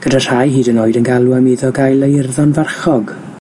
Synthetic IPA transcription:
ɡ̥ədar̥ajɦiːdənoːɨdənɡalˠwamiðɔɡajlˠejɪrðɔnvarχɔɡ

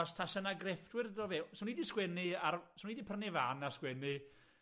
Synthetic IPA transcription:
ɔstʰasənaɡrɛfd̥wɪrdɔvɛwsɔnidiskwɛniarsɔnidipʰərnɪvanaskwɛni

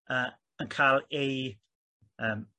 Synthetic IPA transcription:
ə | ənkʰaːlˠej | əːm

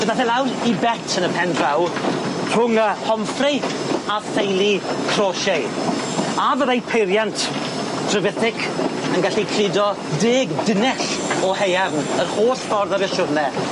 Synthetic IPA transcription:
ənaθɛlˠawɾibɛtʰənəpʰɛnɡvawpʰʊŋəhɔmfrɪ | afejlˠikʰrɔːʃej | avəðajpʰejɾjantʰ | d̥rəvɪθɪkʰənɡaɬikʰl̥ɪdɔ | deːɡdɪnɛɬɔhejavnərhoːsfɔrðavɛʃʊrnɛ

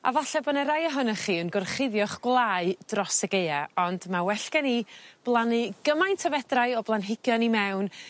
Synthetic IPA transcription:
a̰vaɬɛbɔnaɾajəɦʊnaχiːənɡɔrχɪðjɔχɡ̥wlˠaːɨd̥rɔsəɡejaɔndmawɛɬɡɛnib̥lˠanɨɡəmajntʰəvɛdraɨɔblˠanɦɪɡ̥jɔnimɛwn

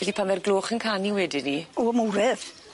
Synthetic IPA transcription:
ɛdipʰanvɛrɡlˠoːχənkʰaniwɛdɪnioəmuɾɛð̥

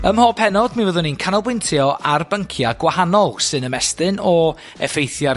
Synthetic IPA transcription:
əmhɔpʰɛnɔdmivəðʊninkʰanɔlˠbwɪntʰiɔʔarbəŋkʰjaɡwahanɔlˠsɨnəmɛstɨnɔ | ɛ̰fejθjar

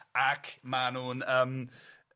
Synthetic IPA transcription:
akʰmanuːnəm

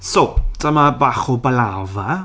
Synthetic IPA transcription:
sod̥əmabaχɔbəlava

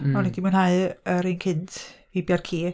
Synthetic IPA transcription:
ɔnɛdimanhaɨəɾinkʰɪntʰvibjarkʰiː

